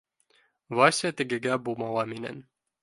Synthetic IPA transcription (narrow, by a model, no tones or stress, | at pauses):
vɑsʲiət̪ɘ̆ɡɘ̆ɡæbulˠmɑlˠɑminæ̰n